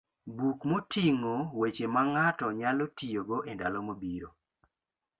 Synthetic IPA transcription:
bukmotiŋowet͡ʃemaŋatɔɲalotijoɡoʔenda̰lɔmobiɾo

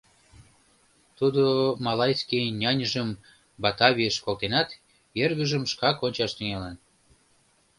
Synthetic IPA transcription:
t̪ud̪omɑlɑjskinʲɑnʲəʒəm | bɑt̪ɑβʲiəʃkolˠt̪enɑt̪ | jerɣəʒəmʃkɑkonʲt͡ɕɑʃt̪yŋelɑn

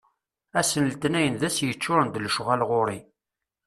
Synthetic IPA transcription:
æsənlt̪næjənðæsjət͡ʃːʊɾˤənd̪lʃʁælʁʊɾˤi

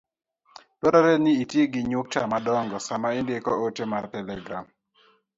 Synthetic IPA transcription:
twɔɾaɾɛniitjeɡɪɲʊk̚tamadɔŋɡɔsamaɪndekɔotemartɛlɛɡɾa̰m

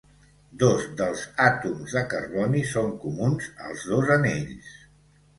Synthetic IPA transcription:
d̪ozd̪əlˠzat̪umzðəkərβɔnisoŋkumunzə̰lˠzðozəneʎs

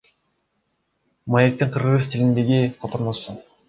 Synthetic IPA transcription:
majek̚t̪iɴqʰɯɾʁɯzt̪ilind̪e̞ɡʲiqʰot̪oɾmosu

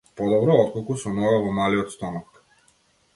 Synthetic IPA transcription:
pɔd̪ɔbɾɔɔt̪̚kɔlˠkusɔnɔvɛvɔmaliɔt̪st̪ɔnɔk

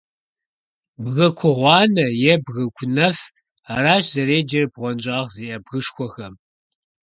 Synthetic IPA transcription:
bɣɐkʷʰɔʁʷɑːnɐjɛbɣɐkʷʰʊnɐf | araːʃzɐɾeːd͡ʒɐrbʁʷɔnd͡ʒʼɑːʁziːʔɐbɣɨʃxʷɔxɐm

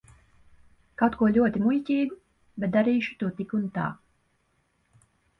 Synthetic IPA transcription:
kawt̪̚kuɔlʲuɔt̪imujcʲiːɡu | bet̪d̪aɾiːʃu̥t̪uɔt̪ikunt̪a̰ː

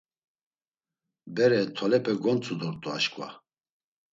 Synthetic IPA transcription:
bɛɾɛt̪ʰɔlɛpʼɛɡɔnt͡sʼud̪ɔɾt̪ʼua̰ʃkʼva̰

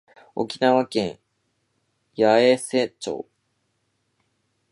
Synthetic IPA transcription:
o̞̰kʲinaβakẽɰ | jaeset͡ɕo̰ː

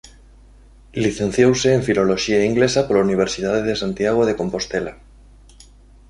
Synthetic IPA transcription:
liθẽn̟θjowseːɱfilo̞loʃiaiŋɡlesapolauniβ̞eɾsið̞aðeðesant̪jaɣ̞oðekõmpo̞st̪ela

